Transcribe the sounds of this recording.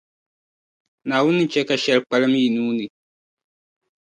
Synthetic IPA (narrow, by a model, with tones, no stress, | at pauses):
naː˨wʊ˦nːɨ˨t͡ʃɛ˦ka˨ʃɛ˦lk͡pa˦lɨ˦m˦ji˨nuː˦nɨ˨